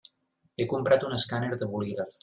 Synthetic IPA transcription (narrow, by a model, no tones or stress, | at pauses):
ekumpɾat̪unəskaneɾd̪əβuliɣɾaf